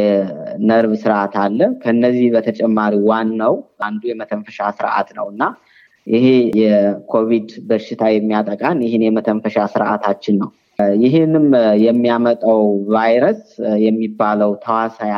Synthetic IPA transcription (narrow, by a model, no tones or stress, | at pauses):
ɛnəɾβsɨɾʔat̪ʰalːəkʰəɨnːəzːihbət̪ʰət͡ʃʼɛmːaɾiwanːəwand̪ujɛmət̪ʰəɱfəʃasɨɾʔa̰t̪nə̰wɨnːa | jɪhejɛkʰo̞βid̪bəʃːɪt̪ʰajɛmːijat̪ʼəkʼanjɪhɪnjɛmət̪ʰəɱfəʃasɨɾʔat̪ʰat͡ʃːɪnːəw | jɪɦɨnɨmjɛmːijamət̪ʼəwvajɾəsjɛmːibːaləwt̪ʰəwasaja